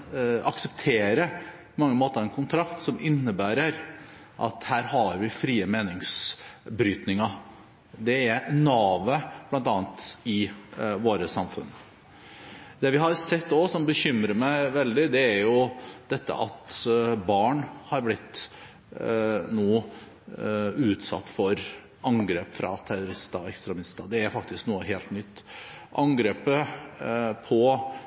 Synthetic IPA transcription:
ɑksəpt̪ʰeːɾəpʰɔmɑŋːəmoːt̪əɾɑɛnkʰʊnt̪ʰɾɑkt̪sɔmɪnːəbæːɾəɾ | ʔɑ̰t̪hæːɾhɑɾʋɪfɾiːəmeːnɪŋsbɾyːt̪nɪŋɑ | d̪ɛæɾnɑːʋəb̥lɑnt̪ɑːɑnt̪ɪʋoːɾəsɑmfʉ̰n | d̪ɛʋɪɦɑɾsɛt̪ːɔsɔmbəçʏmɾəmæɪʋɛld̪ɪd̪ɛæɾjʊd̪̥ɛt̪ːə̰ʔɑ̰t̪bɑːɳhɑɾblɪt̪ː | nuː | ʉːt̪sɑ̰t̪ːfɔɾ | ʔɑŋɡɾeːpfɾɑ̰t̪ʰæɾʊɾɪst̪ɑɛkst̪ɾɛmɪst̪ɑd̪ɛæɾfɑk̚t̪ɪsknuːəɦeːlt̪nʏt̪ː | ʔɑŋɡɾeːpə | pʰɔ

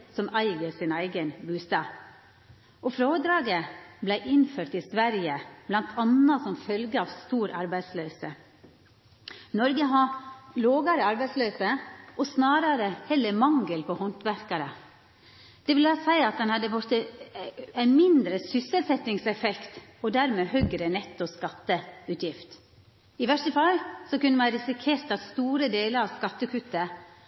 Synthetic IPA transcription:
sɔmæɪɡəɾsɪnæɪɡənbʉːst̪ɑːʋ | ɔfɾoːd̪ɾɑːɡəblæɪʔɪnføːɾt̪ɪsʋæɾjəblɑnt̪ʰɑnːɑsɔmfœlɡəɑʋst̪uːɾɑɾbæɪd̪sløːsə | nɔɾɡəɦɑloːɡɑɾəɑɾbæɪd̪sløːsəʔɔsnɑːɾɑɾəhɛlːəmɑŋɡəlpʰɔhɔnt̪ʋæɾkɑɾə | d̪̥ɛʋɪlɑsæɪɑt̪̚d̪ɛnhɑd̪əʋɔɾt̪ə | æɪnmɪnd̪ɾəsʏsəlsɛt̪ːɪŋsɛfɛkt̪ɔd̪æɾmɛːhœːɡɾənɛt̪ːɔskɑt̪ːəʉːt̪jɪft̪ | ɪʋæʂʈəfɑlsɔkʉnːəmæɪɾɪsɪkʰeːɾt̪ɑt̪st̪uːɾəd̪eːləɾɑʋskɑt̪ːəkʰʉt̪ːə

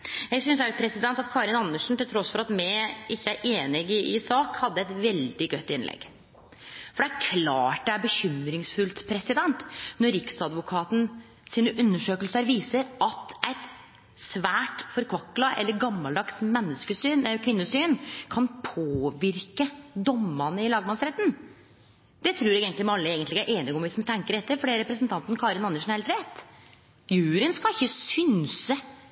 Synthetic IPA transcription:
jæɡsʏnsæɾpʰɾɛsɪd̪ɛnt̪ɑt̪kʰɑːɾɪnɑnːəʂn̩t̪ɪlt̪ʰɾɔsfɔɾɑt̪mɛɪʔɪçːəæɾʔeːnɪɡɪʔɪsɑːkhɑd̪ːəɛt̪ʋɛld̪ɪɡœt̪ːɪnlɛ̰ɡ | fɔɖɛæɾkʰlɑːʈ̚d̪ɛæɾbəçʏmɾɪŋsfʉlt̪pʰɾɛsɪd̪ɛnt̪nɔɾɾɪksɑd̪ʋʊkʰɑːt̪n̩ | siːnəʔʉnːəʂøːkəlsəəɾʋiːsəɾɑt̪ʔæɪt̪ | sʋæːʈfɔɾkʰʋɑkːlɑʔɛ̰lːəɾɡɑmːɑld̪ɑksmɛnːəskəsyːnkʰʋɪnːəsyːnkʰɑnpʰoːʋɪɾkəd̪ɔmːɑnəɪlɑːɡmɑnsɾɛt̪ːn | d̪̥ɛt̪ʰɾʉːɾjɛɡɛːnt̪lɪmɑlːəeːɡənlɪɡæɾʔeːnɪɡɔmʋɪsmt̪ʰɛŋkəɾɖɛt̪ːəfɔɖɛɾɛpɾəsnt̪ʰɑnt̪n̩kʰɑːɾɪnɑnəʂn̩hɛlt̪ʰɾeːt̪ | jʉːɾənskɑlɪçːəsʏnsə

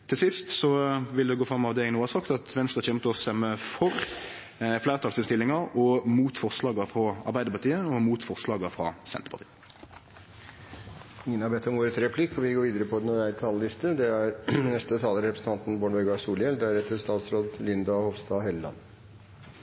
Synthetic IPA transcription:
t̪ʰɪlsɪst̪sɔʋɪld̪ɛɡoːfʁɑmːɑʋd̪ɛnuːəɑsɑkt̪ɑt̪ʋɛnst̪ʁɑçɛmt̪ɔst̪ɛmːəfɔʁ | flæːʁt̪ʰɑlsɪnst̪ɪlːɪŋɑɾɔmuːt̪fɔʁslɑːɡəfʁɑɑ̰ʁbæɪd̪əpɑʁt̪ʰiːəɔmuːt̪fɔʁslɑːɡəfʁɑ̰sɛ̰nt̪əpɑʁt̪iːə | ɪŋənhɑɾbɛt̪ːɔmʋoːɾət̪ʰɾɛpʰlɪkːɔʋɪɡoːʋiːd̪əɾəpʰɔd̪ɛnɔæɪɾt̪ʰɑləlɪst̪əd̪ɛæɾnɛst̪ət̪ʰɑːləɾɛpɾəsn̩t̪ɑnt̪n̩boːɳʋɛɡɑsuːljɛld̪æɾɛt̪ːəst̪ɑːt̪sɾoːd̪lʏnd̪ɑhɔʋsd̪ɑɦɛləlɑ̰n

